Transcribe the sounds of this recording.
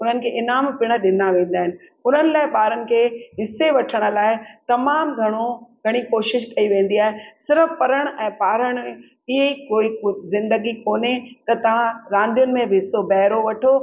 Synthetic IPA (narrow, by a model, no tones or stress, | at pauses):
ʊn̤ənɪ̆kʰeːʔɪnaːmpɪɽ̃əɗɪnaʋẽːn̆d̪aːɦɪnɪ̆ | ʊn̤ənɪ̆laːɪɓaːɾənɪ̆kʰeːɦɪseʋɐʈʰəɽ̃ʊ̆laːɪt̪ɐmaːmɡʱɐɽ̃oɡʱɐɽ̃ikoːʃɪʃkɐiʋẽːn̆d̪iaːɦesɪɾəfpɐɾəɽ̃ɛ̃ːpaːɾəɽ̃ẽ | ɪɦeikoːizɪ̃nd̪əɡikoːnet̪ɐt̪ɐʋ̤ãɾãːnd̪ijʊnɪ̆mẽbʱɪɦɪsobɛɦɾoʋɐʈʰo